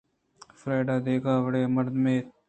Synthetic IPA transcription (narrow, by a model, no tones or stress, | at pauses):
fɾaːɖaːd̪eːkʰaːʋəɽeːməɾd̪mẽː